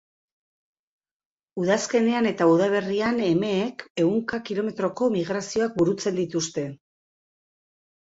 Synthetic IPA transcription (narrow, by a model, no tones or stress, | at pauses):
uðaske̞ne̞ane̞t̪auðaβ̞e̞riane̞me̞ːke̞uŋkakilo̞me̞t̪ɾo̞ko̞miɣ̞ɾasio̞ak̚buɾut͡se̞nd̪it̪ust̪e̞